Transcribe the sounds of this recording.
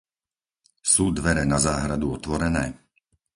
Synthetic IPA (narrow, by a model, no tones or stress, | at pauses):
suːd̪ʋɛɾɛnazaːɦɾad̪uɔt̪ʋɔɾɛnɛː